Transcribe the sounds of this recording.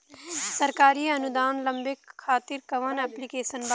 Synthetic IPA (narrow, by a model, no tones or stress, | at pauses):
sɐɾkaːɾiɐnʊd̪aːnlɐ̃mbɪkʰːaːt̪iɾkɐʋənɛːplikeːʃənba